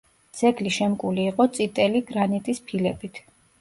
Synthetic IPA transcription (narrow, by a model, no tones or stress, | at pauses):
d̪z̥ɛɡliʃɛmkʼuliːqʼɔt̪sʼit̪ʼɛliɡɾanit̪ʼispʰilɛbit̪ʰ